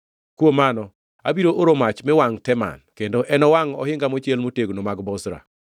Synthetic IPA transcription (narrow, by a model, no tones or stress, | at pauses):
kwomanɔ | a̰biɾoʔoɾomat͡ʃmɛwaŋtɛma̰nkendoʔɛnɔwaŋɔ̰hɪŋɡamot͡ʃjelmoteɡnomaɡbɔsɾa̰